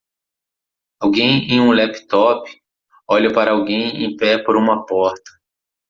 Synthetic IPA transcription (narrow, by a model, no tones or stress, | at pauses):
awɡẽj̃ẽj̃ũlɛpi̥t̪ɔpɪ̥ | ɔʎɐpaɾɐawɡẽj̃ḛ̃j̃pɛpoɾũmɐpɔɾt̪ɐ̥